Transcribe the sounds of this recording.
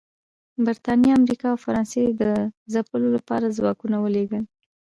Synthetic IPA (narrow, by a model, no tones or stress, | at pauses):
bɪɾt̪ɑnjɑamɾikɑawfaɾɑnsed̪əzapəlolapɑ̰ɾazwɑkunawəleɡəl